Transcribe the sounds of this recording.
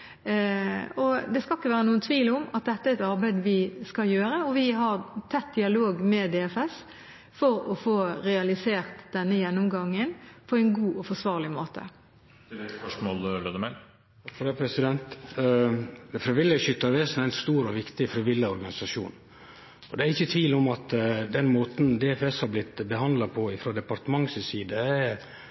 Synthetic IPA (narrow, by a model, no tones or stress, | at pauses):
ɔd̪ɛskɑɪkːəʋæːɾənuːənt̪ʰʋiːlʊmɑt̪̚d̪ɛt̪ːəæɾɛt̪ɑɾbæɪd̪ʋɪskɑljøːɾəɔʋɪɦɑɾt̪ʰɛt̪̚d̪ɪɑloːɡmɛd̪ɛɛfɛs | fɔɾɔfoːɾɛɑlɪseːʁt̪d̪̥ɛnːəjɛnːɔmɡɑŋːənpʰɔɛɪnɡuːʔɔfɔsʋɑːʁlɪmoːt̪ʰə̰ | spœʂmoːlløːd̪əmɛ | t̪ʰɑkfɔɾd̪ɛpʰɾɛsɪd̪ɛnt̪ | fɾɪʋɪlːəʃʏt̪ːəɾʋeːsn̩æɪnst̪uːɾɔʋɪkt̪ɪfɾɪʋɪlːəɔɾɡɑnɪsɑʂṵːn | ɔd̪ɛæɾɪçːət̪ʰʋiːlɔmɑt̪d̪ɛnmoːt̪n̩d̪ɛɛfɛshɑɾblɪt̪bəɦɑnd̪lɑpʰɔɪfɾoːd̪ɛpɑɾt̪əmɑŋsɪsiːd̪ə